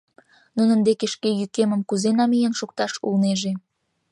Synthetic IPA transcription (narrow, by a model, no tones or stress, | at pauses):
nunə̆nd̪ekeʃkejykeməmkuzenɑmijenʃuk̚t̪ɑʃṵlneʒe